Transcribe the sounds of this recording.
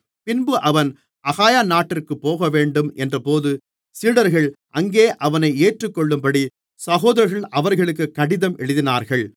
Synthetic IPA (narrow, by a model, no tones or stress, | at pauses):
pɪnbɯʔɐʋɐn | ʔɐɣaːjaːnaːʈːɪrkɯpːoːɣɐʋeːɳɖɯmʔɛndrɐpoːðɯ | siːɽɐɾɣɐɭʔɐŋɡeːʔɐʋɐnɐɪeːʈrɯkːɔɭːɯmpɐɽi | sɐɣoːðɐɾɣɐɭʔɐʋɐɾɣɐɭɯk̬ːɯkːɐɽɪðɐmʔɛɻɯðɪnaːɾɣɐɭ